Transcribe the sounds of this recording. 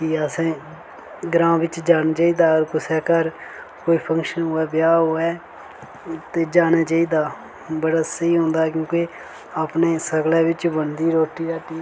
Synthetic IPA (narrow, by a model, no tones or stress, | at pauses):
kiəsẽː | ɡɾãːʋɪt͡ʃd͡ʒaːnaːt͡ʃaːiːd̪aːɡəɾkʊsɛːkəɾ | koːiːpʰə̃ŋkʃənɦoːɛːbjaːɦoːɛː | t̪eːd͡ʒaːnaːt͡ʃaːiːd̪aː | bəɽaːsəiːɦõːnd̪aːkjõːke | aːpneːsəɡlɛːʋɪt͡ʃbənd̪iːɾoːʈiːaːʈiː